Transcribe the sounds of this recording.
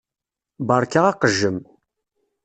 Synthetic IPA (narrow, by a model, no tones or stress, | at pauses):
bɑɾˤkaʁaqəʒːəm